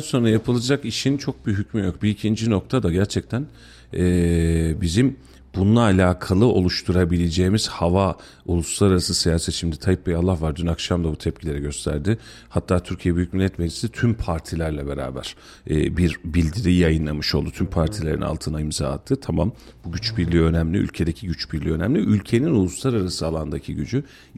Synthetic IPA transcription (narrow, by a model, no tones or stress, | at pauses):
anso̞nɾajapʰɯlˠad͡ʒakiʃint͡ʃʰo̞k̚biɦycmyjok̚biːcʰind͡ʒino̞k̚t̪ʰad̪aɟæɾt͡ʃʰɛc̚t̪ʰæn | ɛːbizim | bununˠaːlʲaːkʰalˠɯo̞lˠuʃt̪ʰuɾabilʲed͡ʒeːmiz̥hava | ulˠuslˠaɾaɾasɯsijaːset͡ʃʰimd̪ɛt̪ʰajip̚bɛalˠːahvaɾd̪ynakʃamd̪abut̪ʰɛp̚cʰilʲe̞ɾɛɟø̞st̪ʰæ̰ɾd̪ɪ | hat̪ʰːaːt̪ʰyɾcʰijɛbyjyc̚milʲːɛt̪mɛɾd͡ʒi̥sit̪ʰympʰaɾt̪ʰilʲæɾlʲɛbe̞ɾa̰ːbæ̰ɾ̥ | ɛ̰ːbiɾbilʲd̪iɾijajɯnlˠamɯʃo̞lˠd̪ut̪ʰympʰaɾt̪ʰilʲe̞ɾina̰lˠt̪ʰɯnaimza̰ːt̪ʰːɯt̪ʰamam | buɟyt͡ʃbiɾlʲiø̞næmlʲiy̰lʲcʰe̞d̪ecʰiɟyt͡ʃbiɾlʲiø̞næmlʲiʔylʲcʰe̞ninulˠuslˠaɾaɾasɯalˠand̪acʰiɟyd͡ʒy